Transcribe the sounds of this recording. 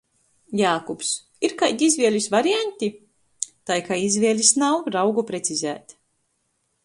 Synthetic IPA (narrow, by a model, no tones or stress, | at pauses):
jaːkups | iɾkajd̪ʲizʲvʲiɛlʲisvaɾianʲt̪ʲi | t̪ajkaizvʲiɛlʲisnawɾawɡupɾet̪sizæ̰ːt̪